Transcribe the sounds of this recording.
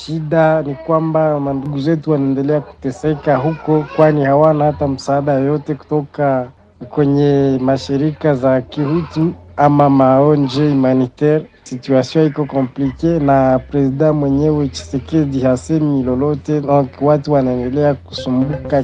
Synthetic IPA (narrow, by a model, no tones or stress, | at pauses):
ʃiɗanikwambamanduɡuzɛtuwanaɛndɛlɛaku̥tɛsɛkaɦukɔkwanihawanahatam̩saːɗajɔjɔtɛku̥tɔka | kwɛɲɛmaʃiɾikazakihutuamamaɔnd͡ʒɛimanitɛɾsituasiɔ̃ikɔkɔmplikɛnapɾɛziɗãmwɛɲɛwɛt͡ʃi̥sɛkɛdihasɛmilɔlɔtɛɗɔkwatuwanaɛndɛlɛaku̥sumbuka